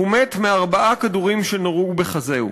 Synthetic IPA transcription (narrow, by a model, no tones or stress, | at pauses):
umetmeaʁbaʔakaduʁimʃenoʁubeχazeṵ